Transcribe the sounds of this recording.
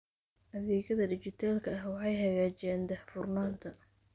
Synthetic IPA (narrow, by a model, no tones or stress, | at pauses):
ʔɐðɛːɣɐðɐdɪt͡ʃɪt̪ʰaːlkʰɐɐɦwɑħɑjɦɐɣaːt͡ʃɛːnd̪ɛħfʊrnaːnt̪ʰɐ